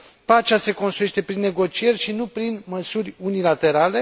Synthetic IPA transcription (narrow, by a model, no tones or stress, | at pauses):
pat͡ʃase̞ko̞nst̪ɾujeʃt̪e̞pɾinːe̞ɡo̞t͡ʃije̞rʲʃinupɾinməsurʲunilat̪e̞ɾale̞